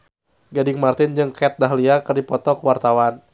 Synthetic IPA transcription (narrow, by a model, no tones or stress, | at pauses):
ɡadɪŋmart̪ɪnd͡ʒɨŋkɛt̪̚daɦliakɨrdipɔt̪ɔkəwart̪awan